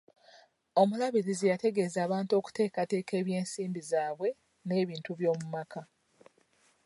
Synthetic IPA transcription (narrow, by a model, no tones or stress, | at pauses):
o̞mulaβiɾizijate̞ɡe̞zaːβaːntuo̞ku̥te̞ːkate̞ːke̞ːβje̞ːnsiːmbizaːβwe̞ | ne̞ːβiːntuβjo̞ːmumakʰa